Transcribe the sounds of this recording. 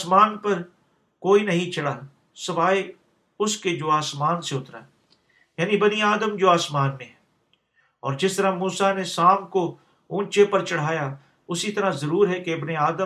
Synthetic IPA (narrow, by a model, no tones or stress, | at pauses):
asmaːnpɐɾ | koːinɐɦĩt͡ʃɐɽaː | sɐʋaːe | ʊsked͡ʒoːaːsmaːnseʊt̪ɾa̰ː | jaːnĩbɐniaːd̪əmd͡ʒoːaːsmaːnmẽɦɛ | ɔ̰ːɾd͡ʒɪst̪əɾamuːsanesaːmko | ũːt͡ʃepɐɾt͡ʃɐɽ̤aːja | ʊsit̪ɐɾazɐɾuːɾɦɛkeɪbneaːd̪ə